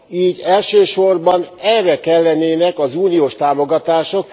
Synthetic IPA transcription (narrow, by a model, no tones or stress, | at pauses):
iːɟɛlʃøːʃo̞rbɒnɛrɛkɛlːɛneːnɛkɒzuːnioːʃt̪aːmo̞ɡɒt̪aːʃo̞k